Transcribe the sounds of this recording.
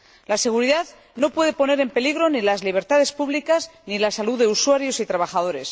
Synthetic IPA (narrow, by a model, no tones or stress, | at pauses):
lase̞ɣ̞uɾiðað | no̞pwe̞ðe̞po̞ne̞ɾe̞mpe̞liɣɾo̞nilazliβ̞e̞ɾt̪aðe̞spuβlikaznilasaluðe̞uswaɾjo̞sit̪ɾaβaxað̞o̞ɾe̞s